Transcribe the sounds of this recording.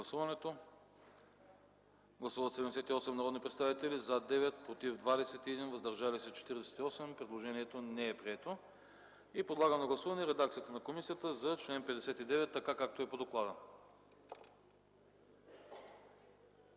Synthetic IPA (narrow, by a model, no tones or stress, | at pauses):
ɐsuvɐnɛt̪o | ɡlˠɐsuvət̪sɛd̪ɛmd̪ɛsɛt̪iɔsɛmnɐɾɔd̪nipɾɛt̪st̪avit̪ɛlizad̪ɛvɛt̪̚pɾot̪ivd̪vad̪ɛsɛt̪iɛd̪invəzd̪ɐɾʒalisɛt͡ʃɛ̥t̪iɾd̪ɛsɛ̥t̪iɔsɛmpɾɛd̪lˠoʒɛniɛt̪onɛɛpɾiɛt̪o | ipɾod̪lˠaɡənnoɡlˠɐsuvɐnɛɾɛd̪ak̚t̪sijət̪ənɐkomisijət̪əzɐt͡ʃlɛnpɛd̪ɛsɛt̪id̪ɛvɛt̪ːɐkakak̚t̪oɛpod̪oklˠad̪ə